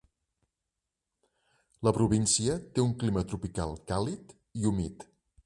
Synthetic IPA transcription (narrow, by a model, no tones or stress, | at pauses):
ləpɾuβinsiət̪euŋklimət̪ɾupika̰lˠkalit̪ | iumit̪